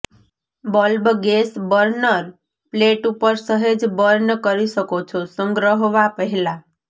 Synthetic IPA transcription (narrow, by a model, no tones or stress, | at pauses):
bɔlbɡesbəɾnəɾ | pleʈupəɾsəɦed͡ʒbəɾnəkəɾiʃəkot͡ʃʰɔsəŋɡɾəɦʋapəɦɛla